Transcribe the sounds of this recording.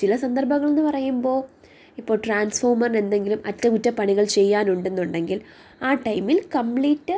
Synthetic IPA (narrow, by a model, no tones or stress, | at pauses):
t͡ɕilɐsɐnd̪ɐrbʱɐɣːɐɭe̞nːɨpɐrɐjumbo̞ː | ipːo̞ːɭʈraːnsfo̞ːrmɐrne̞nd̪e̞ŋɡilumɐtːɐkutːɐpɐɳiɣɐɭt͡ɕe̞jːaːnuɳɖe̞nːuɳɖe̞ŋɡil | aːʈɐjmːilkɐmpɭiːtːɨ